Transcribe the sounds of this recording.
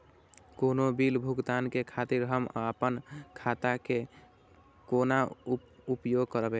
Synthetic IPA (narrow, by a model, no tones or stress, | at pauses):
konobilbʱuɡt̪ankekʰat̪iɾɦəma̰əpənkʰat̪ake | konaupjoɡ̚kəɾbe